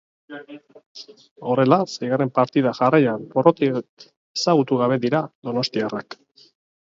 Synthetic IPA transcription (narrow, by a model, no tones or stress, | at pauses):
o̞re̞lasejɣaɾe̞mpaɾt̪iðaʝarajanborot̪i | esaɣut̪uɣaβe̞ðiɾaðo̞no̞st̪iarak